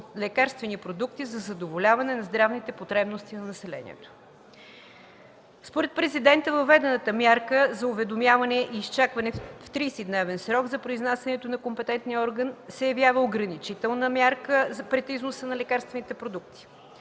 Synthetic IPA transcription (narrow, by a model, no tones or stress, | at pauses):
lɛkaɾst̪vɛnipɾod̪uk̚t̪izɐzɐd̪ovolʲavɐnɛnɐzd̪ɾavnit̪ɛpot̪ɾɛbnost̪inɐnɐsɛlɛ̰nʲḭɛ̰t̪o̥ | spoɾɛt̪̚pɾɛzid̪ɛnt̪əvɐvːɛd̪ɛnət̪əmjaɾkəzɐuvɛd̪omjavɐnɛʔiːst͡ʃakvɐnɛft̪ɾisid̪nɛvɛnsɾɔɡzɐpɾoiznasʲjɐnɛt̪onɐkompɛt̪ɛnt̪niəɔɾɡənsɛjɐvjavəoɡɾɐnit͡ʃit̪ɛlˠnəmʲjaɾkəpɾɛt̪iznosənɐlɛkaɾst̪vɛnit̪ɛpɾod̪ukt̪i̥